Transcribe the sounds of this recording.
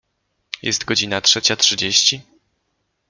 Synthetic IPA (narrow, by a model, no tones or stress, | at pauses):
jɛ̰st̪ɡɔd͡ʑinatʂɛt͡ɕatʂɘd͡ʑeɕt͡ɕi